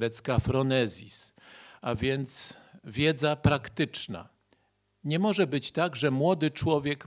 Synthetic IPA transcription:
ɾɛt̪skafɾɔnɛzʲisavʲjɛnt̪svʲjɛd̪zapɾakt̪ɘt͡ʂna̰ | ɲɛmɔʐɛbɘt͡ɕt̪aɡʐɛmwɔd̪ɘt͡ʂwɔvʲjɛk

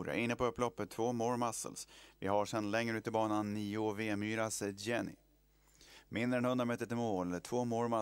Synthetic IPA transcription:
ɾa̰ʔɪnːəpɔɵpːlɔpːət̪ʰːvoːmoːɾmasə̰lsvɪ̰ɦaʂɛnlɛŋɾəʉ̟ːt̪ɪbɑːnanːiːʊveːmyːɾasjɛnɪ̰ | mʔɪnd̪ɾəɛnhɵnd̪ɾamɛːt̪ːəʈ̪ɪmoːlʈ̪ʰv̥oːmoːɾma

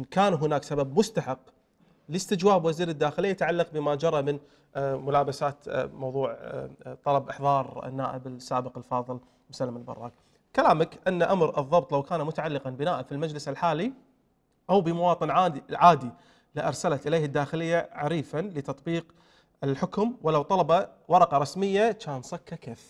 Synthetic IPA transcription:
nkaːnɦʊnaːksababmʊst̪aħɪq | lɪst̪ɪd͡ʒwaːbwaziːɾɪd̪ːaːxɪlɪjːat̪aʕalːɑq̚bɪmad͡ʒɑɾˤɑmɪn | mʊlaːbasaːt̪mɑwðˤuːʕt̪ˤɑlɑbʔɪħðˤɑːɾ̰ˤnːaːʔɪbɪsːaːbəqɪlfɑːðˤɨl | mʊsalːamɪlbɑ̰rˤːɑ̰ːk̚ | kalaːmakʔɪnːaʔamɾɨðˤːɑb̚t̪ˤlawkaːnamʊt̪aʕalːɪqɑnbɪnaːʔafilmad͡ʒlɪsɪlħaːli | ʔawbɪmawɑːt̪ˤɨnʕaʕaːd̪i | lɪʔɑɾˤsalat̪ʔɪleːhɪd̪ːaːxɪlɪjːaʕaɾiːfanlɪt̪ɑt̪̚ˤbiːq | ɪlħʊkʊmwɪlawt̪ˤɑlɑbawɑɾˤɑqɑɾˤɑsmɪjːat͡ʃaːnsˤɑkːakaf

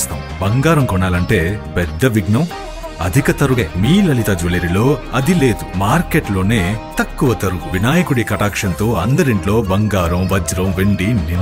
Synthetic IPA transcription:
st̪aː | bɐŋɡaːɾɐmkɔɳːaːlɐɳʈe̞ːpɛd̪ːɐʋiɡnɐm | ɐ̰d̪ʱikɐt̪ɐɾueːmiːlɐlit̪ɐd͡ʒuleɾilo̞ːɐd̪ile̞ːd̪umaːɾkeːʈlo̞ːneːt̪ɐkːuʋɐt̪ɐɾuuʋinaːjɐkuɽikɐʈaːkʂɐnt̪oːɐnd̪ɐɾiɳʈlo̞ːbɐŋɡaːɾɐmʋɐd͡ʒɾɐ̃mʋeɳɖini

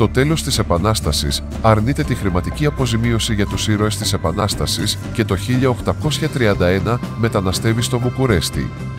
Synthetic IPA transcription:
t̪o̞t̪e̞lo̞st̪ise̞pɐnɐst̪ɐsḭs | ɐɾnit̪e̞t̪ixɾimɐt̪iciɐpo̞zimio̞siʝɐt̪usiɾo̞est̪ise̞pɐnɐst̪ɐsis | ce̞t̪o̞çiʎɐoxt̪ɐko̞sçɐt̪ɾiɐnd̪ɐe̞nɐme̞t̪ɐnɐst̪e̞vist̪o̞mukuɾe̞st̪ḭ

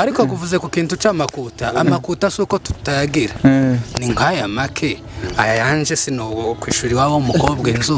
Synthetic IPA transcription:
aɾikokuvuze̞kukiːntut͡ʃaːmakuːtaːmakuːtasukotu̥taɡiɾaniŋɡajamakʰe̞ | ajajaːnʒesinokwḭːʃuɾiwawomukoobɡeːnzu

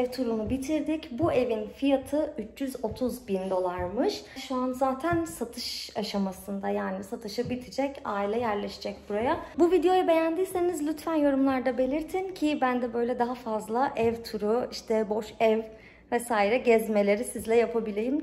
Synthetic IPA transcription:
ɛvt̪ʰuɾunubit̪ʰiɾd̪ɪcbue̞vinfijat̪ʰɯyt͡ʃʰjyzo̞t̪ʰuzbind̪o̞lˠaɾmɯʃʃuanzaːt̪ʰænsat̪ʰɯʃaʃamasɯnd̪ajaːnisat̪ʰɯʃɯbit̪ʰid͡ʒɛcaːilʲɛjæɾlʲeʃi̥d͡ʒɛc̚buɾajabuvid̪ejo̞jabe̞jænd̪iːse̞nizlʲyt̪fænjo̞ɾumlˠaɾd̪abe̞lʲiɾt̪ʰincʰibænd̪ɛbø̞jlʲɛd̪aɦafazlˠaʔɛvt̪ʰuɾuiʃt̪ʰɛbo̞ʃɛv | vɛsaːiɾɛɟɛzme̞lʲe̞ɾisizlʲɛjapʰabilʲejim

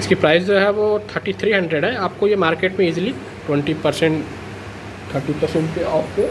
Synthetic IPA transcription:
ɪskipɾaːɪsd͡ʒoɦɛʋot̪ʰəɾʈit̪ʰɾiːɦɐ̃ɳɖɾeɖɦɛaːp̚kojemaːɾkeːʈmẽiːzli | ʈwɛ̃ɳʈipɐɾsɛ̃ɳʈ | t̪ʰəɾʈipɐɾsẽɳʈkeaːfke

